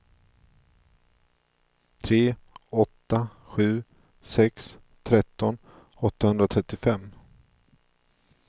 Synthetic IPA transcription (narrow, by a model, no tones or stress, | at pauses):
t̪ʰɾeː | ɔt̪ːa | ɧʉ̟ː | sɛks | t̪ʰɾɛt̪ːɔn | ɔt̪ːahɵnd̪ɾat̪ʰɾɛt̪ːɪfɛmː